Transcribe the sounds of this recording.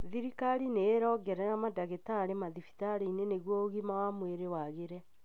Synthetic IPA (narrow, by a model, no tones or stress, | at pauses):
ðiɾikaɾineːɾɔːɡɛɾɛnamadaɣetaɾemaðifi̥taɾeineneɣwɔɣimawamweɾewaɣeɾɛ